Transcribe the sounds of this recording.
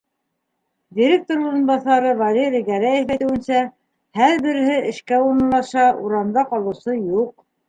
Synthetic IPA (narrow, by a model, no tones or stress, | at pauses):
dʲiɾʲek̚t̪oɾuɾɤ̆nbɑθɑɾɤvalʲeɾʲijɡæɾæjɘfæjt̪ɘ̆wɘ̆nsæ | hæɾbɘ̆ɾɘ̆ɦɘʔɘ̆ʃkæuɾɤ̆lˠɑʃɑuɾɑmd̪ɑqɑlˠɤ̆wsɤjuq̚